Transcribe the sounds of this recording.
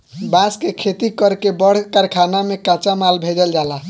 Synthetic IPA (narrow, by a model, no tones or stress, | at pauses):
bãskekʰet̪ikəɾkebəɽ̤kaɾkʰanamekãt͡ʃamalbʱed͡ʒəld͡ʒala